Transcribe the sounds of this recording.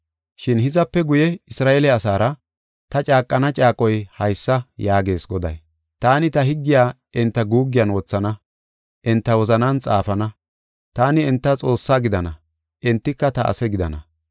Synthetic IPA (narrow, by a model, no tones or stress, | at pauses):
ʃɪnhɪzɐpːɛɡʊjɛɪsɾaːʔelɛɐsaːɾɐ | t̪ɐt͡ʃʼaːkʼːɐnɐt͡ʃʼaːkʼɔjhɐjsːɐjaːɡe̞ːsɡɔd̪ɐ̰j | t̪aːnɪt̪ɐɦɪɡːɪjaː | ʔɪnt̪ːɐɡuːɡːɪjɐːnwɔt͡sːɐnɐ | ʔɪnt̪ːɐwɔzɐnaːnt͡sʼa̰ːfɐnɐ | t̪aːnɪːnt̪ːɐt͡sʼo̞ːsːaːɡɪd̪ɐnɐ | ʔɪnt̪ːɪkːɐt̪ɐʔɐ̰sɛɡɪd̪ɐ̰nɐ̰